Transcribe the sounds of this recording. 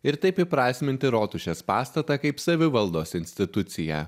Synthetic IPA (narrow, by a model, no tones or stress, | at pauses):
ɪɾt̪ɐɪpɪpɾɑːsʲmʲɪnt̪ʲɪɾoːt̪ʊʃʲespɑːst̪ɐt̪ɐkɐɪpsɐʋʲɪʋɐlˠd̪oːsɪnʲsʲt̪ʲɪt̪ʊt̪sʲɪjæ̰ː